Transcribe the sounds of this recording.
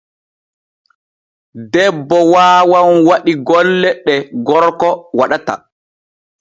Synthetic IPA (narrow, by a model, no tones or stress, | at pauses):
dɛbːɔwaːwanwaɗiɡɔlːɛɗɛɡɔɾkɔwaɗata̰